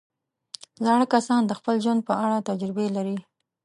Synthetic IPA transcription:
zɑɽəkasɑnd̪əxpəlʒwand̪̚pəaɽat̪ad͡ʒɾɪbelaɾi

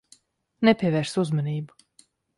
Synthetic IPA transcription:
nɛpʲiɛvɛːɾsuzmaniːbu

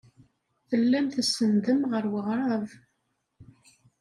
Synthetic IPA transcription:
θəlːæmθəsːənd̪əmʁəɾwəʁɾˤɑv

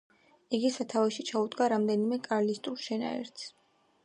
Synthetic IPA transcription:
iɡisat̪ʰavɛʃit͡ʃʰaud̪ɡaɾamd̪ɛnimɛkʼaɾlist̪ʼulˠʃɛna̰ɛ̰ɾt̪s

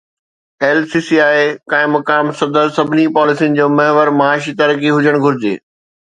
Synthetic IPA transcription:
eːlsiːsiaːekãːɪ̃mɐkaːmsɐd̪əɾsɐbʱɪnipɔːlɪsiənɪ̆d͡ʑoːmɐɦʋəɾmɐaːʃit̪ɐɾkeɦʊd͡ʑəɽ̃ɡʱʊɾɪd͡ʑḛː

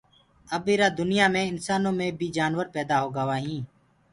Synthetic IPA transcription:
əbeːɾaːd̪ʊnɪjaːmẽːɪnsaːnõːmẽːbʱiːd͡ʒaːnʋəɾpɛːd̪aːɦoːɡəʋaːɦĩː

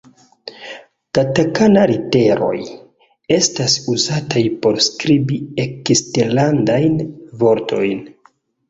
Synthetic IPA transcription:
tatakanaɾite̞ɾo̞̰j | e̞stasuzatajpo̞ɾskɾibiekisteɾlandajnvo̞ɾtʰo̞̰jn

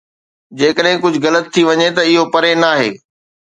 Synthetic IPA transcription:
d͡ʑeːkəɗɦɪ̃kʊd͡ʑʱɣɐlət̪ʰːiʋɐɲet̪ɐɪɦopɐɾenaːɦeː

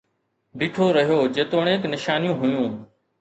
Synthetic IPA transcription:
biːʈʰoːɾəɦijoːd͡ʒeːt̪oːɽ̃eːknɪʃaːnjũːɦʊjũː

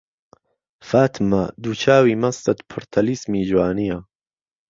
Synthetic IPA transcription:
faːt̪ʰmɐd̪uːt͡ʃʰaːwiːmɐst̪ɐt̪pʰʊɾt̪ʰɐlismiːd͡ʒwaːnijɐ

